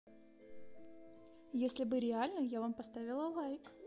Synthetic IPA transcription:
jesʲlʲɪbɨɾʲɪalʲnəjavampɐst̪avʲɪlˠəlˠajk

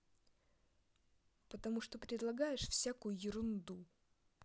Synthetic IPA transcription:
pət̪ɐmuʂt̪opɾʲɪd̪lˠɐɡajɪʂfsʲakʊjʊjɪɾʊnd̪u

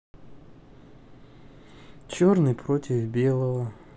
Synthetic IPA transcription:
t͡ɕornɨjpɾotʲɪvbʲelˠəvə

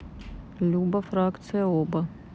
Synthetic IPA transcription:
lʲuːbɐfɾaːkt̪sɨjɐoːbɐ

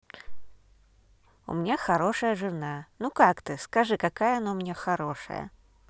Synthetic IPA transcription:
ṵmʲnʲaxɐɾoʂəjəʐɨnanukakt̪ɨskɐʐɨkɐkajəɐnomʲnʲaxɐɾoʂə̰jə̰

